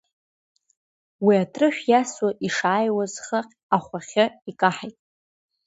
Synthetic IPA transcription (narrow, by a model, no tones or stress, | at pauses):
wiatʰrɨħʷᶣjaswaʔiʂaːjwazχaqʲʼ | aχʷaχʲaikʼaħajtʼ